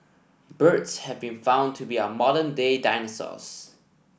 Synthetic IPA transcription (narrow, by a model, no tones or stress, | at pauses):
bɜtshɛvbĩnfãʊ̃ntʰubiəmɔɾəndedaɪnəsɔ̰s